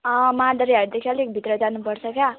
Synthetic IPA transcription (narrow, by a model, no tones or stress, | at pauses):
əmãd̪əɾjaɖd̪ekʰjalek̚bʱit̪ɾəd͡zanupəɽsəkja